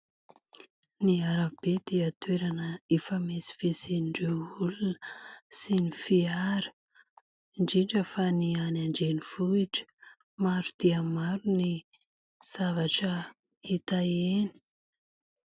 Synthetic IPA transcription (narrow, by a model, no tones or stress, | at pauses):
niaɾabed̪eət̪weɾanəefəmesi̥feseniɳɖ͡ʐeulunəsinifiaɾə̥ | ɳd͡ʒiɳʈ͡ʂəfanianaɳɖ͡ʐenifuiʈ͡ʂə̥ | maɾud̪̥iəmaɾuni | z̥avaʈ͡ʂə | it̪aeni̥